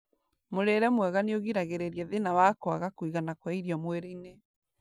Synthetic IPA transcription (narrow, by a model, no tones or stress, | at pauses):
moɾeɾɛmwɛɣaneoɣiɾaɣeɾeɾiɛðenawakwaɣakwiɣanakwaiɾiɔmweɾeine